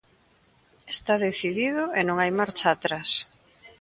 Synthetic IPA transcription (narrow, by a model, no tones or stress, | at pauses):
est̪aðeθiðiðʊenõŋajmaɾt͡ʃaːt̪ɾas